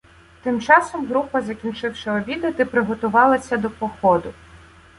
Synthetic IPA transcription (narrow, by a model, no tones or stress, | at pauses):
t̪ɪmt͡ʃɑsɔmɦɾupɐzɐkʲinʲt͡ʃɪwʃɐɔbʲid̪ɐt̪ɪpɾɪɦɔt̪ʊʋɑlˠɐsʲɐd̪ɔpɔxɔd̪ʊ